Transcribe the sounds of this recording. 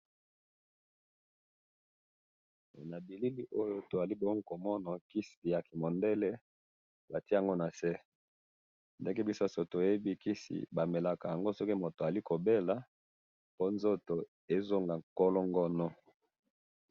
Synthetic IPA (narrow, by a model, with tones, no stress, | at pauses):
na˨bi˨li˦li˦ʔo˦jo˦to˨za˨li˦bo˦ŋ˦˨ko˨mɔ˦na˨ki˦si˨ja˨ki˨mo˨nde˦le˦ | ba˨ti˦a˨ŋɡo˦na˨sɛ˦ | nde˦ke˦bi˦so˦˨so˨to˨e˨e˦bi˦ki˦sḭ˨ba˨me˨la˨ka˨ja˨ŋɡo˦sɔ˦ki˦mo˨to˨a˨li˦ko˨be˦la˨ | po˦nzo˦to˨ | e˦zo˦ŋɡa˨ko˦lo˦ŋɡɔ˦nɔ˦